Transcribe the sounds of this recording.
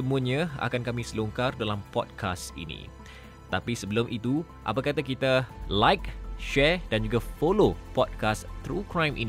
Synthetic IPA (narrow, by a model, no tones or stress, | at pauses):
əmuaɲãa̰kankamĩsəluŋkardalampɔ̰d̚kʰasḭnḭ̃ | t̪apisəbəlomʔit̪u | ʔa̰pakat̪akit̪alajk̚ʃɛrdand͡ʒuɡafolopɔd̚kast̪ɾukɾãjmʔḭn